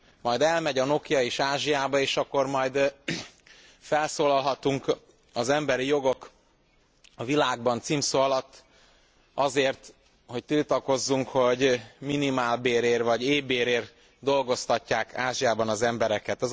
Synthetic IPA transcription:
mɒjd̪ɛlmɛɟɒno̞kjɒeːʃaːʒijaːbɒeːʃɒkːo̞rmɒjd̪ | fɛlsoːlɒlɦɒt̪uŋk | ɒzɛmbɛɾijo̞ɡo̞k | ɒvilaːɡ̚bɒnt̪simsoɒlɒt̪ː | ɒzeːrt̪ | ho̞c̚t̪ilt̪ɒko̞zːuŋkho̞ɟminimaːlbeːɾeːrvɒɟeːbeːɾeːr | d̪o̞lɡo̞st̪ɒcːaːkʰaːʒijaːbɒnɒzɛmbɛɾɛkɛt̪ɒ

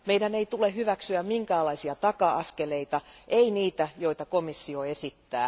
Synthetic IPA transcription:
meidæneit̪uleɦyʋæksyæmmiŋkæːlɑisiɑt̪ɑkɑɑskeleit̪ɑʔeiniːt̪æjoit̪ɑkomisːioesit̪ːæ̰ː

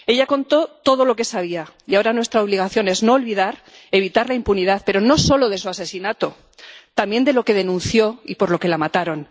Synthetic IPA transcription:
e̞ʎako̞nt̪o̞t̪o̞ð̞o̞lo̞ke̞saβia | iao̞ɾanwe̞st̪ɾaoβliɣ̞aθjo̞ne̞znoːlβiðaɾ | e̞β̞it̪aɾlaimpuniðaθpe̞ɾono̞so̞lo̞ðe̞suase̞sinat̪o̞ | t̪ambje̞nd̪e̞lo̞ke̞ð̞e̞nũnθjo̞ipo̞ɾlo̞ke̞lamat̪aɾo̞n

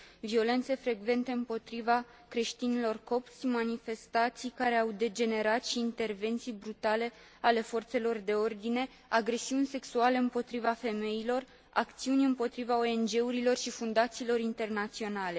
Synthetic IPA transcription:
vio̞le̞nt̪se̞fɾe̞ɡve̞nt̪e̞ɨmpo̞t̪ɾiva | kɾe̞ʃt̪inilo̞rko̞pt̪sʲmanife̞st̪at̪sijkaɾe̞awd̪e̞d͡ʒe̞ne̞ɾat̪ʃiːnt̪e̞rve̞nt̪sijbɾut̪ale̞ | ale̞fo̞rt̪se̞lo̞rd̪e̞o̞rd̪ine̞ | aɡɾe̞siunʲse̞ksuale̞ɨmpo̞t̪ɾivafe̞me̞jilo̞r | a̰kt̪siunʲɨmpo̞t̪ɾivao̞e̞nd͡ʒe̞uɾilo̞rʃifund̪at̪siːlo̞ɾint̪e̞rnat̪sio̞nale̞

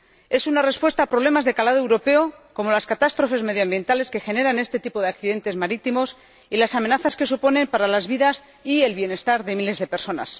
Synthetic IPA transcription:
e̞sunare̞spwe̞st̪aːpɾoβle̞mazðe̞kalaðoewɾo̞pe̞oko̞mo̞laskat̪ast̪ɾo̞fe̞zme̞ðjoambje̞nt̪ale̞ske̞xe̞ne̞ɾane̞st̪e̞t̪ipo̞ðeakθiðe̞nt̪e̞zmaɾit̪imo̞s | ilasame̞naθaske̞s̬upo̞ne̞mpaɾalazβiðas | ie̞lβje̞ne̞st̪aɾðe̞mile̞zðe̞peɾso̞na̰s

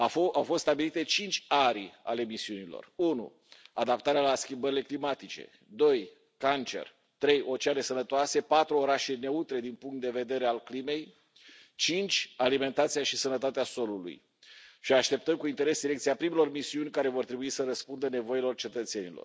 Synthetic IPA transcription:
awfost̪st̪abilit̪e̞t͡ʃint͡ʃʲaɾa̰le̞misiunilo̞̰runṵ | ad̪apt̪aɾealaskʲimbəɾile̞klimat̪it͡ʃe̞̰ | d̪o̞j | kant͡ʃe̞̰r | t̪ɾe̞jʔo̞t͡ʃeaɾe̞sənət̪oase̞pat̪ɾuo̞ɾaʃe̞ne̞ut̪ɾe̞d̪inpuŋkt̪̚d̪e̞ve̞d̪e̞ɾealklime̞j | t͡ʃint͡ʃʲalime̞nt̪at̪sijaʃisənət̪at̪easo̞lulṵj | ʃiaʃt̪e̞p̚t̪əmkuint̪e̞ɾe̞sd̪iɾekt̪siapɾimelo̞rmisiunʲkaɾe̞vo̞rt̪ɾebuisəɾəspund̪əne̞vo̞ilo̞rt͡ʃe̞t̪ət̪se̞nilo̰r

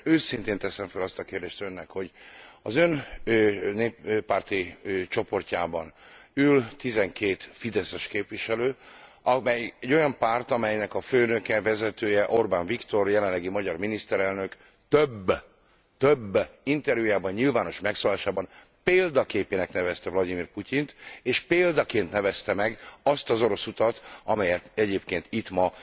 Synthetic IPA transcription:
øːsint̪eːnt̪ɛsɛɱfølɒst̪ɒkeːrd̪eːʃt̪ønːɛkho̞ɟɒzø̞n | neːppːaːrt̪it͡ʃo̞po̞rcaːbɒnylt̪izɛŋkeːt̪fid̪ɛsɛʃkeːpʋiʃɛløːʔɒmɛjɛɟːo̞jɒmpaːrt̪ɒmɛjnɛkɒføːnøkɛvɛzɛt̪øːjɛʔo̞rbaːɱvikt̪o̞rjɛlɛnlːɛɡimɒɟɒrminist̪ɛɾɛlnø̞k | t̪øbː | t̪øbːint̪ɛrjujaːbɒɲɲilvaːno̞ʃmɛksoːlaːʃaːbɒn | peːld̪ɒkeːpeːnɛknɛvɛst̪ɛvlɒd̪imiːrpucint̪eːʃpeːld̪ɒkeːnt̪nɛvɛst̪ɛmɛɡɒst̪ɒzo̞ɾo̞sut̪ɒt̪ɒmɛjɛt̪ɛɟeːpkeːnt̪it̪mɒ

